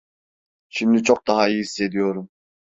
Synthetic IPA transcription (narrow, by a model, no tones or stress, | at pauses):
ʃimd̪it͡ʃʰok̚d̪ɑɦaihisːe̞d̪ijo̞ɾum